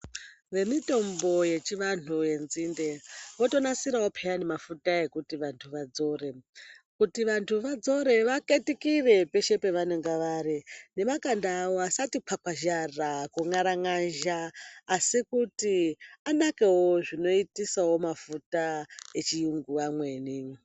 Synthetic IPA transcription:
ʋe̞mito̞mbo̞je̞t͡ʃiʋantʰuje̞nzinde̞ʋo̞to̞nasiɾawopʰejane̞mafutae̞kutiʋantʰuʋad͡zo̞ɾe̞kutiʋantʰuʋad͡zo̞ɾe̞ʋake̞tikire̞pe̞ʃe̞pe̞ʋaneŋɡaʋaɾine̞makandaːwoasatipʰakwaʒarakuŋaɾaŋaʒaːsikutianake̞wo̞ʐino̞itisawo̞mafutaet͡ʃijuŋɡuamwe̞ːni

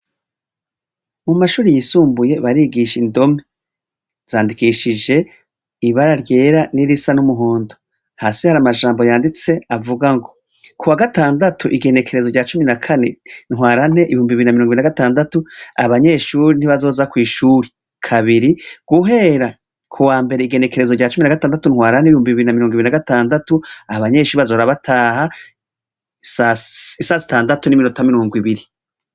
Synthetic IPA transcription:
mumaʃuːɾijisuːmbuje̞βaɾiɡiʃindo̞me | z̥aːndikiʃid͡ʒe̞ | iβaɾaɾje̞ːɾaniɾisanumuɦoːndo | haːsihaɾamaʒaːmbo̞jaːndit͡se̞avuɡaŋɡo̞ | kuwaɡataːndatʰuʔiɡe̞ne̞kʰe̞ɾe̞zoɟaːt͡ʃuminakʰane̞nhwaːɾan̥e̞ʔiβihuːmbiɾinamiɾoŋɡinaɡataːndatua̰βaɲe̞ːʃuɾin̥iβazo̞ːzakwiːʃuːɾi | kʰaβiɾiɡ̥uɦe̞ɾa | kʰuwaːmbe̞ɾeiɡe̞ne̞ke̞ɾe̞zoɟaːt͡ʃuminaɡataːndatunhwaːɾaneihuːmbiβiβiɾinamiɾoːŋɡuiɾinaɡataːndatuaβaɲe̞ːʃuːɾiβazoɾaβatʰaːha | saisaːzitaːndatunimino̞tamiɾoːŋɡwiβiɾi

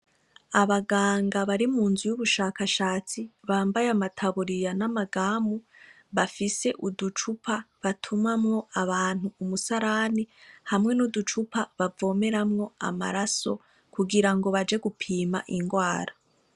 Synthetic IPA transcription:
aβaɡaːŋɡaβaɾimuːnzujuβuʃaːkaʃaːt͡siβaːmbajamatʰaβuɾijanamaɡaːmu | βafise̞ʔudut͡ʃupʰaβatʰumamŋo̞aβaːn̥uːmusaɾanihamŋe̞nudut͡ʃupaβavo̞ːme̞ɾamŋo̞a̰ma̰ɾaso̞̰ | kuɡiɾaŋɡo̞βad͡ʒe̞ɡupʰiːmaʔiŋɡwaːɾa

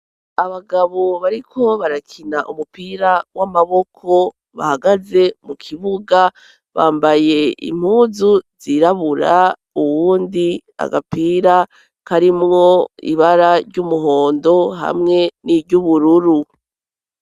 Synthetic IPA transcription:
aβaɡaβoβaɾikʰo̞βaɾakʰinaʔumupiːɾawamaβo̞kʰo̞ | βa̰haɡaze̞mukʰiβuɡa | βaːmbaje̞ḭm̥huːzuziɾaβuɾa̰ | uwuːndia̰ɡapiːɾa | kaɾimŋo̞ḭβaɾaɾɟumuɦo̞ːndo̞ɦa̰mŋe̞niɟuβuɾuɾu

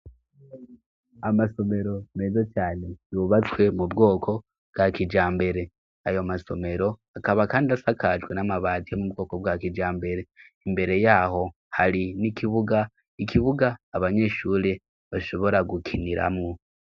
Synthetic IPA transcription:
amaso̞me̞ɾo̞me̞zat͡ʃaːne̞juβat͡swe̞mubɡo̞ːkʰo̞ | bɡ̥akid͡ʒaːmbe̞ɾe̞ | ajomaso̞̰me̞ɾo̞akaβakaːndiasakʰad͡ʒɡwe̞namaβaːtiomubɡo̞ːko̞bwakid͡ʒaːmbe̞ɾe̞imbe̞ɾe̞jaːho̞ | haɾinikiβuɡa | ikiβuɡaːβaɲe̞ːʃuːɾe | βaʃo̞βo̞ɾaɡukʰiniɾa̰mŋu

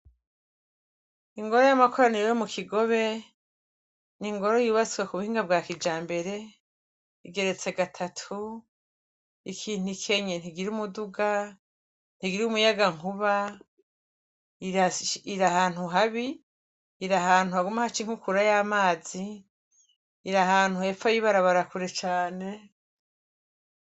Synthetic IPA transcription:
iŋɡo̞ɾojamakʰo̞ɾaniɾejomukʰiɡo̞βe̞ | niŋɡo̞ɾo̞juːβat͡siwakuβuhiːŋɡabɡaːkid͡ʒaːmbe̞ɾe̞ | iɡe̞ɾe̞t͡se̞ɡatʰatʰu | ikʰiːn̥ikʰe̞ɲen̥iɡiɾiumuduɡa | n̥iɡiɾiumujaɡaŋuβa | iaiɾahaːn̥huɦaβiː | ɾaɦaːn̥uhaɡumahat͡ʃiŋ̥hukuɾajaːmaːzi | ɾahaːn̥hue̞fajiβaɾaβaɾakuɾe̞t͡ʃaːne̞

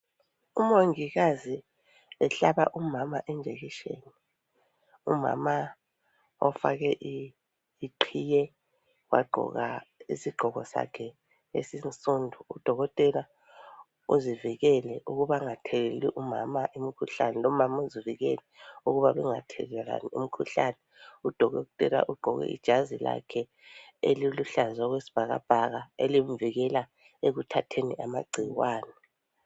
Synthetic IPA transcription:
umoŋiɣ̬azi | ɛɬaɓa̰ʔumamaʔɛnd͡ʒʱek̬iʃḛni | ṵma̰ma | ɔfa̰k̬ɛʔiː | ǃʰijɛ | wʔa̰ɡ͡ǃʱɔ̰ɣa̰isiɡ͡ǃʱɔɣɔsa̰kʰɛ | ḛsinsʼundʱuːd̥ʱɔɣɔtʼɛla | ṵziviɣ̬ɛlɛʔuɣuβaŋatʰɛlɛliʔuma̰maʔimikʰuɬanɛlɔmamauziviɣɛ̰lɛuɣuβaβɛŋa̰tʰɛlɛla̰niṵm̩kʰuɬanɛud̥ʱɔɣɔtʼɛla̰ʔuɡ͡ǃʱɔɣɛ̰ʔḭd̥ʒ̥ʱazila̰kʰɛ | ḛliluɬazwaɣwesi̥b̥ʱaɣa̰b̥ʱaɣaelimviɣɛla | eɣutʰatʰenḭʔamaɡ͡ǀʱiwaːnɛ

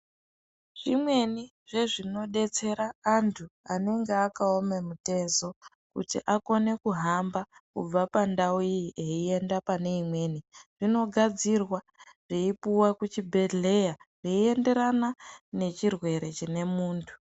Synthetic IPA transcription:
ʐ̥imwe̞ni | ʐ̥e̞ʐino̞ɗe̞t͡se̞ɾaːntʰuane̞ŋɡeakaome̞mute̞zo̞ | kṵtḭʔako̞ne̞kuɦambakṵb͡vapandauieie̞ndapane̞imwe̞ːniʐ̥ino̞ɡʱad͡zirwa | ʐ̥iipuwakut͡ʃibʱe̞ɮe̞jareie̞nde̞ɾanane̞t͡ʃirwe̞ɾe̞t͡ʃine̞muːntʰu̥

